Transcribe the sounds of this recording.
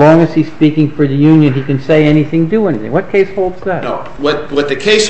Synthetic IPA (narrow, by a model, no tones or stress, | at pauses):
ɔ̃ŋɨz̥iz̥spikɪ̃ŋfə˞ðɨjʉ̃njɨ̃nikɨ̃nseɪɛñiθɪ̃ŋdɨɛniθɪ̰̃ŋwʌt̚kʰeɪshoʊlˠdz̥ðɨn | wʌt̪̚wʌt̪̚ðɨkʰeɪs